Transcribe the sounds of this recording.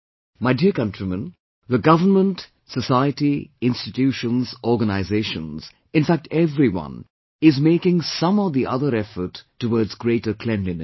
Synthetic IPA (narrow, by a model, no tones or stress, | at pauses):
maɪdiəkʌ̃ntɹimə̃n | ðəɡʌvənmə̃nt | səsaɪətiɪ̃nstɪtjuːʃə̃nzɔɾɡənaɪzeɪʃə̃nz̥ | ɪ̃nfæk̚tɛvɾiwʌ̰̃n | ɪzmeɪkɪ̃ŋsʌ̃mɔvðiʔʌðəɾɛfə˞tʰːəwɔːdzɡɾeɪʈəkʰlɛ̃nlĩn